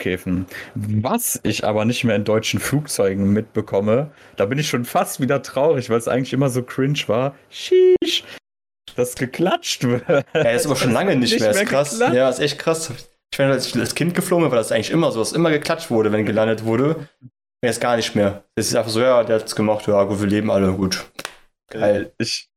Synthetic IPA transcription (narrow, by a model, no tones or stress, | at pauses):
kʰɛːfn̩vasɪçʔa̰ːbɐnɪçtmeːɐɪndɔʏt͡ʃn̩fluːk̚t͡sɔʏɡŋ̩mɪt̚b̥əkʰɔmə | d̥aːbɪnɪçʃoːnfastv̥iːdɐtʁ̥aʊʁɪçv̥aɪlsʔa̰ɪɡŋ̩tlɪçʔɪmɐzoːkʰʁ̥ɪnʃv̥aːɐ | ʃiʃ | d̥asɡ̥əkʰl̥at͡ʃtv̥ɪjaːdssaːbɐʃoːnlaŋənɪçtmeːɐesːɐkʁasjaːɪstʔɛçt̚kʁ̥asa | ɪç̥v̥ɛɐnasalskʰɪnt̚ɡ̥əfloːŋənvaɪldasʔaɪŋtlɪçʔɪmɐzoːdasʔɪmɐɡəkl̥at͡ʃtv̥ʊɐɾəvɛnɡəlandətv̥ʊɐɾə | ɛstɡ̥aːɐnɪçtmeːɐjɛsaɪfaχz̥oːjaːdeːɐhatsɡ̥əmaχtjaːɡuːtviːɐleːbm̩ʔaləɡuːt | ɡ̥aɪlʔɪç